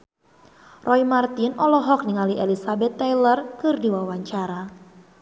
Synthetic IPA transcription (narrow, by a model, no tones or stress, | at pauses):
rʔɔimart̪ɪnɔlɔɦɔk̚niŋaliʔelisabɛt̪ːajlərkɨrdiwawaɲt͡ʃaɾa